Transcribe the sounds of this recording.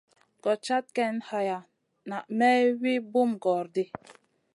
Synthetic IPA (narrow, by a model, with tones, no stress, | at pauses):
ɡɔ˨t͡ʃa˦t̚kɛ˦nha˨ja˨ | na˨ʔmɛ˦wi˦bu˦mɡɔ˨ɾdi˦